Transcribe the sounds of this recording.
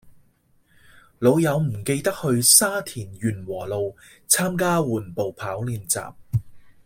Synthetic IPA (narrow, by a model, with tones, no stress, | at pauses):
lo˨˧wjɐ˨˧wm̩˨˩ke˧jt̪ɐ˥k̚hɵ˧ɥsaː˥t̪ʰiː˨˩njyː˨˩nwɔː˨˩lo˨w | t͡sʰaː˥mkaː˥wuː˨˩npo˨wpʰaː˨˥wliː˧nt͡sa̰ː˨p̚